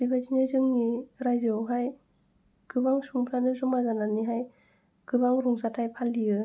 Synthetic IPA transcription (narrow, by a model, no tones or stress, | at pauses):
bibazinɯzɯŋniɾajzɯwɦaj | kʰɯbaŋsuŋpʰɾanɯsumazananːiɦaj | kʰɯbaŋɾuŋsat̚hajpʰaniɯ